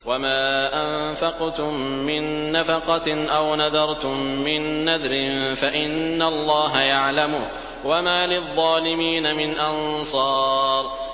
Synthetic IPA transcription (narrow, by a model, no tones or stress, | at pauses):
wamaːʔamfɑqt̪ʊmːɪnːafɑqɑʔawnɑðɑɾˤt̪ʊmːɪnːaðɾɪnfaʔɪnːalˤːɑːɦajaʕlamʊh | wamaːlɪðˤːɑːlɪmiːnamɪnʔɑnsˤɑːɾ